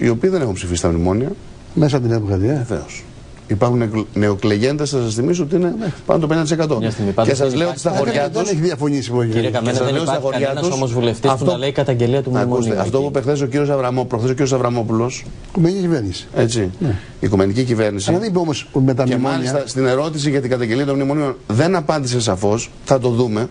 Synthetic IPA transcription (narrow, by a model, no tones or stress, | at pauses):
ḭo̞piːðene̞xumpsifisi̥t̪ɐmimo̞niɐ | mes̬ɐt̪inepɣɐðiɐθḛos | ipɐɾxunene̞okle̞ʝe̞nd̪esɐsɐsθimis̬oot̪iinepɐ̰not̪opend̪et̪isekɐt̪o̞mɐst̪iɣmipɐesɐzleot̪ist̪ɐxoɾʝɐt̪uneçiðiɐfo̞ɲisipoeɐesɐzleost̪ɐxo̞ɾʝɐt̪usomozvuleft̪isfoleikɐt̪ɐɲɟeliɐt̪umɐust̪eɐft̪o̞puepexθe̞s̬ociɾio̞s̬ɐvɾɐmopθesociɾiosɐvɾɐmo̞pulo̞s | kumeiciveɾnisi̥e̞t͡sin | ikume̞nicicive̞ɾnisiɐðenibomosmet̪ɐemɐlist̪ɐst̪ine̞ɾo̞t̪is̬iʝɐt̪iɡɐt̪ɐɲɟe̞liɐt̪omnimonionðe̞nɐpɐnd̪is̬e̞s̬ɐfo̞s | θɐt̪o̞ðume̞